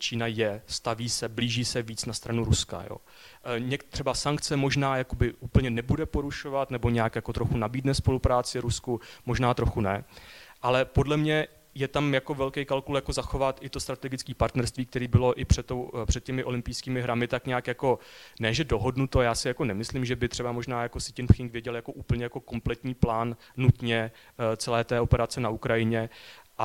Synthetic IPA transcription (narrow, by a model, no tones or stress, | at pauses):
t͡ʃiːnajɛst̪aviːsɛbliːʒiːsɛviːt͡snast̪ɾanuɾuska̰jo̰ː | ɲɛkt̪ːr̝̥ɛbasaŋkt͡sɛmo̞ʒnaːjako̞bɪʔuːpl̩ɲɛnɛbudɛpo̞ɾuʃo̞vat̪nɛbo̞ɲɛakjakot̪ɾo̞xunabiːdnɛspo̞lupɾaːt͡sɪɾuskumo̞ʒnaːt̪ɾo̞xunɛʔalɛpo̞dlɛmɲɛ | jɛt̪amjako̞vɛlkɛjkalkuljako̞zaxo̞vat̪ʔɪt̪o̞st̪ɾat̪ɛɡɪt͡skiːpaɾt̪nɛɾst̪viːk̚t̪ɛɾiːbɪlo̞ʔɪpr̝̥ɛt̪ːowpr̥ɛt̪cɛmɪʔo̞lɪmpɪjskiːmɪɦɾamɪt̪akɲaaːkjako̞nɛːʒɛdo̞ɦo̞dnut̪ojaːsɪjako̞nɛmɪslimʒɛbɪt̪r̥ɛbamo̞ʒnaːjako̞sɪ̥cɪnpxɪŋkvjɛɟɛljako̞ʔuːpl̩ɲɛjako̞ko̞mplɛt̪ɲiːplaːnːut̪ɲɛ | t͡sɛlɛːt̪ɛːopɛɾat͡sɛnaukɾajɪɲɛʔa